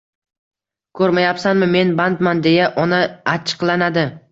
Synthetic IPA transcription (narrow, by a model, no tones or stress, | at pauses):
kʰɵɾmajapsanmɪme̞nbant̪mand̪e̞jaʔɒnaat͡ʃʰːɨ̥qlˠanad̪ɪ